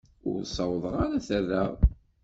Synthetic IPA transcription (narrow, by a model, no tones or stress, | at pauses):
ʊ̰ɾsˤɑwðˤəʁaɾaθərːəʁ